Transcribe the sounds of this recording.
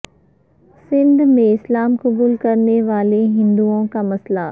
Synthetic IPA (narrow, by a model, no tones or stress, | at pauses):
sɪ̃nd̪mẽɪslaːmkɐbuːlkɐɾneʋaːleɦɪ̃nd̪uõkamɐsla